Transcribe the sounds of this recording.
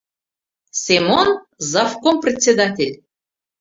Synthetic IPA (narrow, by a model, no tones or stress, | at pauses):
sʲemon | zɑfkomprʲɪt͡sʲːed̪atʲelʲ